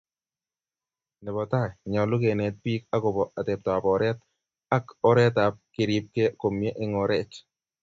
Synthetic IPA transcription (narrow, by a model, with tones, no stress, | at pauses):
nɛ˨bɔ˨ta˦˨jɲɔ˨lʊ˦ke˨nɛ˨˦t̚pi˦ka˦kʊ˨bɔ˨ʔa˨tɛ˨p̚tɔ˨a˨pɔ˨ɾɛ˦t̚ | a˦kɔ˦ɾɛ˦ta˨p̚kɪ˨ɾi˨˦p̚ke˦ko˨mje˦ʔɪ˦ŋɔ˨ɾɛ˦˨t͡ʃ